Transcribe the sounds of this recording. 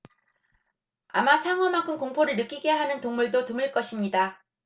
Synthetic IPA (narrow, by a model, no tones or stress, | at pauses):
a̰masʰaŋɦwʌmaŋkʰɯmkoŋpʰoɾɯɭnɯk͈iɡe̞ɦanɯntoŋmuɭdotumɯɭk͈ʌɕʰimɲida